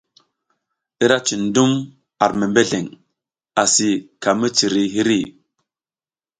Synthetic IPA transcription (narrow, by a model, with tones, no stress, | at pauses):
i˦ɾa˦t͡ʃi˨n˦du˦m | a˨ɾme˨mbe˦ɮe˨ŋ | a˨si˨ka˨mi˦t͡ʃi˨ɾi˨ɦi˦ɾi˦˨